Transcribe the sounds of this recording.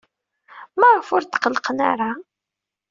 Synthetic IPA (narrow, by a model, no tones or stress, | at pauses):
maʁfʊɾt̪ːqəlːəqəna̰ɾa